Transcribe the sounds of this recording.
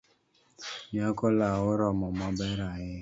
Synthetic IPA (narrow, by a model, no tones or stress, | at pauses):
ɲakɔlawʊɾɔmɔmɔbɛɾaɣɪ